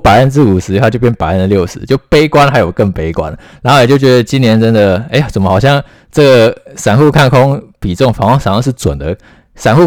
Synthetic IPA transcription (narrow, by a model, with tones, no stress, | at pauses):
pa˨˩ɪə˥˧nt͡sɻ̩˥˩u˨˩ʂɻ̩˧˥i˧xt͡ɕjo˥˧˩pjʲɛ˥npa˨˩ɪə˥˩nd̪ə˨ljo˥˩ʊʂɻ̩˧˦t͡ɕjo˥˩ʊpe˥ɪkwa˥nxa˧˥ɪjo˨˩ʊkə˥˩ŋpe˥ɪkwa̰˦nɻa˧˥xo˥˩jɛ˨˩t͡ɕjo˥˩ʊt͡ɕɥɛ˧˥d̪ə˧t͡ɕi˥njɛ˧˥nʈ͡ʂə˦˥nd̪ə˨e˥˩ɪt͡sə˨˩nmə˦xɑ˨˩ʊɕjɑ˥˩ŋ | ʈ͡ʂɤ˥˩ɡə˩ʂa˨˩nxu˥˧kʰa˥˩nkʰʊ˥ŋpi˨˩ʈ͡ʂə˥˩ʊ˨ŋfɑ˧˥ŋɑ˥ŋʂa˨˧˥ŋɑ˥˧ŋʂ̬̩˥˩t͡swə̰˨˩nd̪ə˦ | sa˨˩nxu˥˧